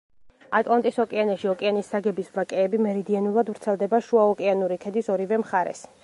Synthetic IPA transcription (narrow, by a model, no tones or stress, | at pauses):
at̪ʼlˠant̪ʼisɔkʼianɛʃiɔkʼianisːaɡɛbisvakʼɛːbimɛɾid̪ianulˠad̪vɾt̪sʰɛlˠd̪ɛbaʃuaɔkʼianuɾikʰɛd̪isɔɾivɛmχaɾɛ̰s